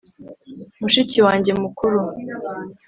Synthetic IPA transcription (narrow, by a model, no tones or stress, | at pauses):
muʃiciwaːɲɟe̞mukʰuɾu